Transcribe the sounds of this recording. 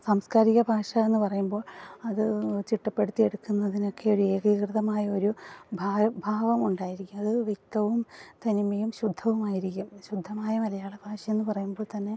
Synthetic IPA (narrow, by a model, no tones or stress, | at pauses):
saːmskaːɾiɣɐbʱaːʂɐe̞nːɨpɐrɐjumbo̞ːɭɐðɨt͡ɕiʈːɐpːe̞ɽut̪ːie̞ɽukːunːɐðino̞kːe̞oɾue̞ːɡɐkrɨðɐmaːjɐo̞ɾubʱabʱaːʋɐmuɳɖaːjiɾikʲːumɐðɨʋjek̚t̪ɐʋumt̪ɐnimɐjumɕud̪ʱːɐʋumaːjiɾikʲːumɕud̪ʱːɐmaːjɐmɐlɐjaːɭeb̥ʱaːʂɐe̞nːɨpɐrɐjumboːɭt̪ɐnːe̞